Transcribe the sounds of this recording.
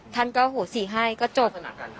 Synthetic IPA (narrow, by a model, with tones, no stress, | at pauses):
t̪ʰa˧˥˩nkɔː˥˩hoː˨˩˦siː˨˩ɦaː˥˩˨jkɔː˥˩t͡ɕo˧˩p̚